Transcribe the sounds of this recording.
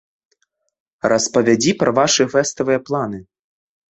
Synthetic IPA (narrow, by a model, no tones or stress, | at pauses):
rʔɐspɐvʲad͡zʲipɾɐvaʂɨfɛst̪ɐvɨjɐplˠanɨ